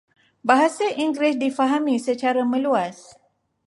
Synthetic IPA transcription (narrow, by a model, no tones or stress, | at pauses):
baɦasaʔiŋɡɾɪsdifaɦamĩsət͡ʃaɾamə̃luas